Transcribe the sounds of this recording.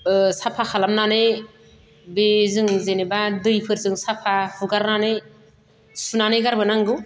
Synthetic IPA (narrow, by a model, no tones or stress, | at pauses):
sapʰakʰalamnane | bezɯŋzenebadɯjpʰɯɾzɯŋsapʰahuɡaɾnane | sunanejɡaɾbɯnaŋɡɯw